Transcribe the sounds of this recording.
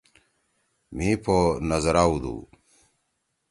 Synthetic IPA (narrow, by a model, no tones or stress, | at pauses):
miːpʰonɐzɐɾaːud̪ṵː